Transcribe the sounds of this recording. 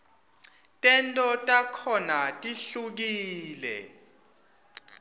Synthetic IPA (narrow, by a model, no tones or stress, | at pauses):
tʼɛntʼɔtʼakʰɔnatʼiɬuk̬iːlɛ̰